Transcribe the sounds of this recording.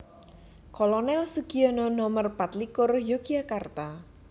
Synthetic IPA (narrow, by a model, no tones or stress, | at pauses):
kɔlɔnɛlsuɡ̥iɔnɔnɔmərpat̪likʊrjoɡiakart̪a